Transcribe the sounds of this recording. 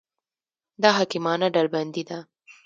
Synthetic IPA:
d̪ɑɦɑkɪmɑnaɖalband̪id̪a

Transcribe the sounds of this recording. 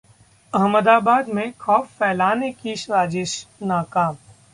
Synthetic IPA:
ɐɦməd̪aːbaːd̪mẽxɔːfːɛːlaːnekiʃɾaːd͡ʒɪʃnaːkaːm

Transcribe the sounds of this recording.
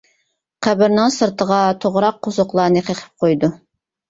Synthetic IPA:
qʰæbɪɾnɪŋsɨɾt̪ʰəʁɑt̪ʰoʁɾɑqʰːozʊqlˠɑɾnɨqʰeqʰɪ̥p̚qʰojd̪u

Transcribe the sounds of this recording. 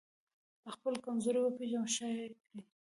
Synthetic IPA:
d̪əxpəlkamzuɾwəpeʒaʃɑjkɽi

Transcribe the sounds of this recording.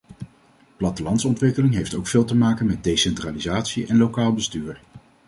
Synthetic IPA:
plɑtəlɑntsɔntʋɪkəlɪŋɦejftowkfɪːlˠtəmaːkənmɛd̚dejsɛntraːlizaːtsiʔɛnlokaːlˠbəstyːɹ

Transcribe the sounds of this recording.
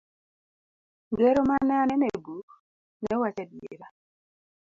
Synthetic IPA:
dwɛɾomanɛanɛnɛbuk | nɛwat͡ʃadjḛɾa

